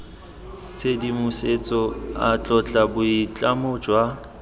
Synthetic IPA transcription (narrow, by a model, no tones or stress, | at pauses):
t͡sʰedimʊset͡sʼɔa̰t͡ɬʼɔt͡ɬʼabʊit͡ɬʼamʊd͡ʒwa